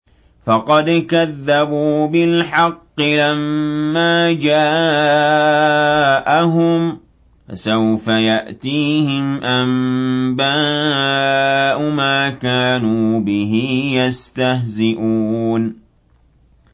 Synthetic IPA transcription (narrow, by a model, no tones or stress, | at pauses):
fɑqɑd̪kaðːabuːbɪlħɑqːɪlamːaːd͡ʒaː | ʔaɦʊm | fasawfajaʔt̪iːhɪmʔambaː | ʔʊmaːkaːnuːbɪɦɪjast̪aɦzɪʔuːn